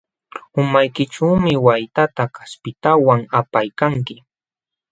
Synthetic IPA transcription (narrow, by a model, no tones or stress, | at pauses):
ʊmajkɪʈ͡ʂuːmɪwajt̪at̪akaspɪt̪awaŋapajkaŋkɪ